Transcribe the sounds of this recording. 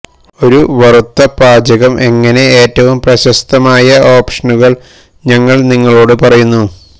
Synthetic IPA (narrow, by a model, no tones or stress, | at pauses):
o̞ɾuʋɐrut̪ːɐpaːd͡ʑɐɣɐmʔe̞ŋːɐne̞eːtːɐʋumprɐɕɐst̪ɐmaːjɐo̞ːpʂɐnuɣɐɭ | ɲɐŋːɐɭniŋːɐɭo̞ːɽɨpɐrɐjunːu